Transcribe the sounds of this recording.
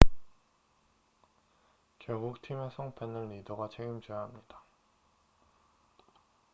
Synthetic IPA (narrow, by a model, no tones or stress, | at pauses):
kjʌɭɡuk̚tʰimesʰʌŋpʰenːɯnːidoɡat͡ɕʰeɡɯmd͡ʑijʌɦamɲid̥ḁ